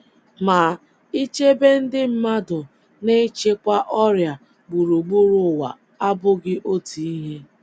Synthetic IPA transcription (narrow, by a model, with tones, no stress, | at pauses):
ma˨ | i˦t͡ʃe˦be˦n̩˦dɪ˦m̩˦ma˦dʊ˨ | ne˦t͡ʃe˦kʷa˦ʔɔ˦ɾja˨ | ɡ͡bu˨ɾu˨ɡ͡bu˦ɾʊ˨wa̰˨ | a˦bʊ˦ɡɪ˦ʔo˦ti˨i˦ɦe˦